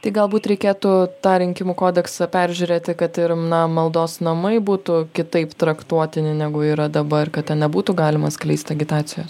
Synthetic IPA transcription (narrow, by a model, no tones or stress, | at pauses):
t̪ɐɪɡɐlˠbuːt̪ɾʲɛɪkʲeːt̪ʊt̪ɑːɾʲɪŋʲkʲɪmʊkoːd̪ʲɛksɐpʲæɾʲʒʲʉːɾʲeːt̪ʲɪkɐt̪ɪɾnɐmɐlˠd̪oːsnɐmɐɪbuːt̪ʊkʲɪt̪ɐɪpt̪ɾɐkt̪uɔt̪ʲɪnʲɪnʲæːɡʊiːɾɐd̪ɐbɐkɐt̪̚t̪ʲɛnnʲɛbuːt̪ʊɡɑːlʲɪmɐsklʲɛɪsʲt̪ʲɐɡʲɪt̪ɑːsʲɪjoːs